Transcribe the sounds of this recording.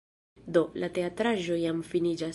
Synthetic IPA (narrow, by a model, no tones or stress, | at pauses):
do̞late̞atɾaʒo̞jamfinid͡ʒa